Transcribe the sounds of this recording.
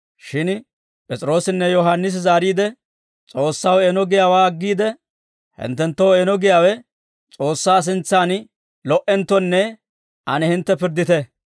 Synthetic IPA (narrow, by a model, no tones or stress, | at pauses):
ʃɪn | pʼɛt͡sʼɾo̞ːsɪnːɛjɔɦanːɪs̬ɪzaːɾiːd̪ɛ | t͡sʼo̞ːsːɐweːnɔɡɪjaːwaːɐɡːiːd̪ɛ | hɪ̰nt̪ːɛnt̪ːɔwenɔɡɪjaːwɛ | t͡sʼo̞ːsːaːs̬ɪnt͡sːaːn | lɔʔɛnt̪ːɔnːɛ | ʔɐnɛhɪnt̪ːɛpɪɾd̪ɪt̪ɛ